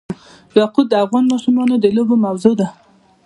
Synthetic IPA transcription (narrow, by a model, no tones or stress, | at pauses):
jɑqud̪̚əafɣɑnmɑsʊmɑnod̪əlobomawzod̪a